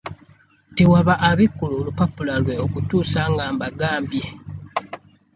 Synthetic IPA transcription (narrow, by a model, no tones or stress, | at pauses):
tewaβaʔːβikːuloːlupapulalwe̞okutuːsaːŋɡaːmbaɡaːmbje̞